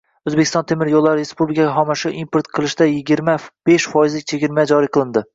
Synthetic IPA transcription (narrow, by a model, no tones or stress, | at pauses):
ɵzbekʰʲɪst̪ɒnt̪ʰemɪɾjolˠːaɾɪɾespublɪkʰʲaɡʲaɦɒmaʃɪʔimpʰoɾt̪qʰɨlˠɪʃd̪ajɪɡʲɪɾmab̥eʃfɒjɪzlɪkʲt͡ʃʰeɡʲɪɾmad͡ʒɒɾijqʰɨlˠɪnd̪ɪ